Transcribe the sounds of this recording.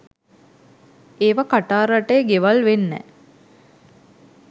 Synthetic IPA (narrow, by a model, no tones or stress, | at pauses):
eːʋakaʈaːɾaʈeːɡeʋalʋenːɛ̰